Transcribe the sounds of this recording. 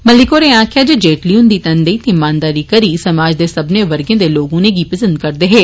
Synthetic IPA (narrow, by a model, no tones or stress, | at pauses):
məlɪkoːɾẽãːkʰjad͡ʒed͡ʒeːʈliʊnd̪iːt̪ɐnd̪eit̪ẽɪmãːnd̪aːɾikəɾisɐmaːd͡ʒd̪eːsɐbneʋɐɾɡẽːd̪eloːɡõnẽɡiːpɐsə̃nd̪̚kɐɾd̪eːɦeː